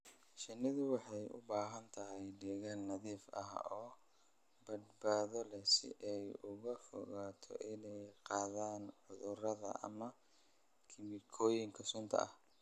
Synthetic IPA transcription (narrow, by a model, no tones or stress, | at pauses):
ʃɪnɪðʊwɑħɑjʔʊ̰baːɦɐnt̪ʰɐɦɛjɖɛɣanːɐðiːfɐ̰ɦɔː | bɐd̪baːðɔlɛsɪ̰ʔɛjʊɣɐfɔ̰ɣaːt̪ʰɔ̰ʔɪnɛjqɑːðaːnʕʊðʊrɐðɐ̰ʔɐ̰mɐ | kʰɪmɪkʰɔːjɪŋkʰɐsʊnt̪ʰɐ̰ɐ̰h